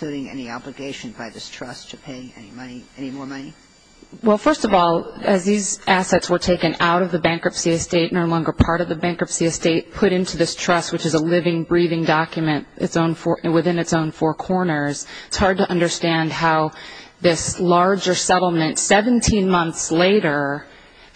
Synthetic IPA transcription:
l̥ʉɾɪ̃ŋɛ̰niɑ̰bləɡeɪʃɨ̃nbaɪðɪstʰɹ̥ʌstʰɨpʰeɪɛ̰nimʌniɛnimɔɹmʌni | wɛlˠfɜ˞stʌvɔlˠɨzðizæsɛtswə˞tʰeɪkɨ̃na̰ʊɾʌvðɨbæ̃ŋkɹʌpsiɨsteɪtⁿnoʊlɔ̃ŋɡə˞pʰɑɹɾʌvðɨbæ̃ŋkʌpsiɨsteɪt̚pʰʊɾɪ̃ntʰʉðɪstʰɹ̥ʌst̚wɨt͡ʃɨzəlɪvɪ̃ŋbɹiðɪ̃ŋdɑkjmɨ̃nɨ̰tsõʊ̃nfɔwɨθɪ̃nɨtsõʊ̃nfɔɹkʰɔɹnə˞z̥ɪtshɑɹd̚tɨʔʌ̃ndə˞stæ̃nd̚ɦaʊðɪslɑɹd͡ʒə˞sɛɾl̩ˠmɨ̃ntsɛvɨ̃ntʰĩnmʌ̃nθsleɪɾə˞

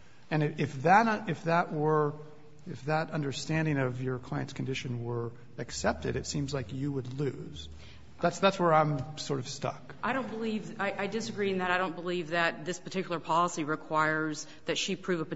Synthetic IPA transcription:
ɨ̃nɨɪfðɨɾʌɪfðəʔwə˞ | ɨfðəɾʌ̃ndə˞stæ̃ndɪ̃ŋʌvjə˞kʰl̥aɪɨ̃ntskʰn̩dɪʃɨ̃nwə˞ | ɨksɛp̚tɨ̰ɾɨtsĩmzlaɪkjɨwədˡlʉz̥ | ðætsðætswə˞ãɪ̃msɔɹɾʌv̥stʌ̰k | aɪɾõʊ̃nb̥əlivaɪʔaɪdɨsɨɡɹiɨ̃nðɨɾaɪɾõʊ̃nb̥əlivðɨt̪̚ðɪspʰə˞tʰɪkjl̩ˠə˞pʰɑlˠəsiɹɨkʰw̥aɪə˞z | ðɨtʃipʰɹ̥ʉvəp

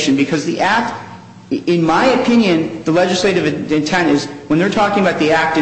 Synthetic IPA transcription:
ʃɨ̃nbɨkʰʌzðiʔæk̚t | ɪ̃nmaɪɨpʰɪ̃njɨ̃nðəlɛd͡ʒɨsleɪɾɨvɨɨ̃ntʰɛ̃ñɨzwə̃nðə˞tʰɔkɪ̃ŋəbaʊt̪̚ðiæk̚tɨ̃

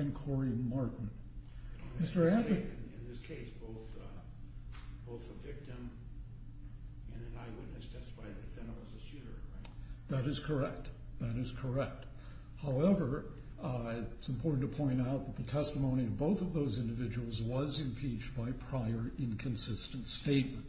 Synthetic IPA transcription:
ɨ̃nkʰɔɹimɑɹʔn̩ | mɪstə˞ædɨɪ̃nðɪskʰeɪsb̥oʊθ | b̥oʊθəvɪk̚tɨ̃m | ɨ̃nɨ̃naɪwədⁿɨstʰɛstə̥faɪðɨɨfɛ̃nʌzɨʃʉɾə̰˞ɪðɨɾɨz̥kʰə˞ɛk̚t̪̚ | ðɨɾɨz̥kʰə˞ɛk̚t̚ | haʊɛvə˞ | ɪtsɨ̃m̩pʰɔɹʔn̩tʰəpʰɔ̃ɪ̃ñtaʊt̪̚ðət̪̚ðɨtʰɛstəmõʊ̃ɾ̃ivboʊθʌvðoʊzɪ̃ndɨvɪd͡ʒɨwl̩ˠzwʌzɨ̃mpʰit͡ʃb̥aɪpʰɹ̥aɪə˞ʔɪ̃nkʰɨ̃n̩sɪstɨ̃n̩tsteɪt̚mɨ̃nt

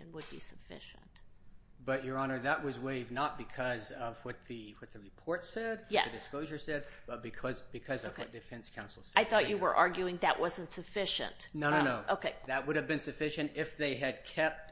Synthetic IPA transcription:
ɨ̰̃nwəd̚bḭsəfɪ̰ʃɨ̰̃nt | b̥ʌt͡ʃə˞ɑnə˞ðəʔ̚wʌzweɪvnət̚b̥ɨkʰʌzʌvwʌt̪̚ðɨwʌt̪̚ðɨɹɨpʰɔɹtsɛd̚jɛ̰ðɨsdɨskloʊʒə˞sɛd̚b̥ʌt̚b̥ɨkʰʌzb̥ɨkʰʌzʌvwwʌ̰t̚d̥ɨfɛ̃nskʰãʊ̃nsl̩ˠsɛaɪθɔt͡ʃɨwə̰˞ʔɑɹɡjʉɪ̃ŋðɨʔwʔʌzɨ̃ntsɨfɪʃɨ̰̃ntnoʊnnoʊnoʊʔoʊkʰeɪðɨt̚wʊɾɨvbɨ̃nsɨfɪʃɨ̃ntɪfðeɪɨd̚kʰɛp̚t̚

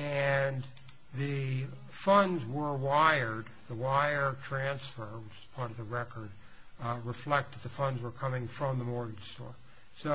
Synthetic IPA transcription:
ɨ̃n | ðɨ | fʌ̃ndzwə˞waɪə˞d̪̚ | ðəwaɪə˞tʰɹ̥æ̃nsfə˞mzɨz̥pʰɑɹɾʌvðɨɹɛkə˞d̚ | ɹɨflɛk̚t̪̚ðɨt̪̚ðɨfʌ̃ndzwə˞kʰʌmɪ̃ŋfɹʌ̃mðəmɔɹɡɪ̃nstɔ̰ɹ | so

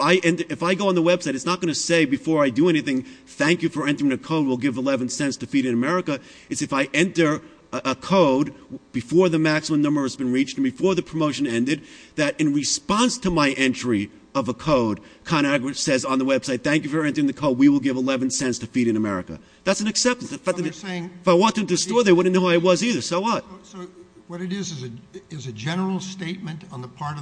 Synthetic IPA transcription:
aɪʔɛ̃ntə˞ɨfaɪɡoʊə̃nðəwɛb̥saɪɾɨtsnət̚ɡ̥ʌñɨseɪbɨfɔɹaɪdɨɛniθɪ̃ŋθæ̃ŋkjɨfə˞ɛ̃ntə˞ɪ̃ŋɨkʰoʊd̚wəlˠɡɪvəlɛvɨ̃n̩sɛ̃ntstɨfiɾɨ̃nɨmɛɹɨkɨ | ɨtsɨfaɪʔɛ̃ntə˞ | əkʰoʊd̚b̥ɨfɔɹðɨmæksəmə̃mnʌ̃mbə˞ɨzbɨ̃n̩ɹit͡ʃtn̩bɨfɔɹðɨpʰɹ̥əmoʊʃɨ̃nɛ̃ndɨd̪̚ðɨɾɨ̃nɹɨspɑ̃nstʰəmaɪʔɛ̃nt͡ʃɹ̥i | ʌvəkʰoʊd̚kʰɑ̃ɾ̃æɡɹɨsɛzn̩ðəwɛb̥saɪt̪̚θæ̃ŋk̬jɨfə˞ɛ̃ntə˞ɪ̃ŋðɨkʰoʊd̚wiwəlˠɡɪvəlɛvɨ̃n̩sɛ̃ntstʰɨfiɾɨ̃nɨmɛɹɨ̰kɨ̰ | ðætsn̩ɨksɛp̚tɨ̃nfæeɪ̃ŋɪfaɪwɑ̃tʰɪ̃ntɨɨstɔɹðeɪwʊdⁿn̩oʊwaɨwʌziðə˞sɛwʌt̚ | wʌɾɨɾɪzzɨɪzɨd͡ʒɛnə˞l̩ˠsteɪt̚mɨ̃ntn̩ðəpʰɑɹɾʌ

